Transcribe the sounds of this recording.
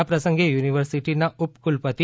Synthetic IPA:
apɾəsəŋɡejuniʋəɾsiʈinaʔupkulpət̪i

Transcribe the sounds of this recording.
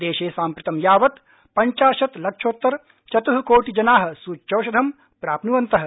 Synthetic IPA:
d̪eːʃeːsaːmpɾɪt̪ɐmjaːʋɐt̪ | pɐɲt͡ʃaːʃɐt̪lɐkʂoːt̪ːɐɾ | ʃɐt̪uɦɐkoːʈid͡ʒɐnaːɦɐ̆suːt͡ʃːt͡ʃɐːʃɐd̪ʱɐm | pɾaːpnuʋɐnt̪ɐɦɐ̆

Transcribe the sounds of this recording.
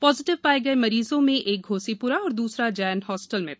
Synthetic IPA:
pɔːzɪʈɪʋpaːeɡɐemɐɾiːzõmẽʔeːk̚ɡʱoːsipuɾaɔːɾd̪uːsɾad͡ʒaːnɦɔːsʈəlmḛ̃

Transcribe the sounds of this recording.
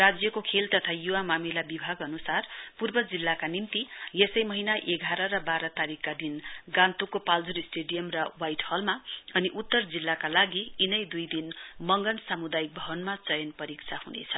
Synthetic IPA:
rad͡zjʌkokʰelt̪ʌt̪ʰajuwamamilabibʱaɡʌnusarpurbʌd͡zilːakanimt̪ijesʌjmʌɦinaʔeɡʱaɾʌɾʌbaɾʌt̪aɾikːad̪inɡãnt̪ukːopald͡zuɾisʈeɖijʌmrʌwajʈhʌlmaʌniʔut̪ːʌrd͡zilːakalaɡiːnʌjd̪ujd̪inmʌŋɡʌnsamud̪ajik̚bʱʌbʌnmat͡sʌjʌnpʌɾik̚t͡sʰahunḛt͡sʰʌ

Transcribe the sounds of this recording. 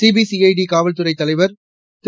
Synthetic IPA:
siːbiːsiɐɪɖikaːʋɐlt̪ɯɾɐɪt̪ːɐlɐɪʋɐɾ | t̪

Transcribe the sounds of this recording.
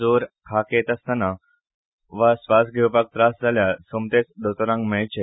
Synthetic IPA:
oɾkʰaket̪əst̪ana | ʋasʋasɡʱewpak̚t̪ɾasd͡zʱaljasomt̪et͡sd̪ot̪oɾãŋɡmeɭt͡ɕe

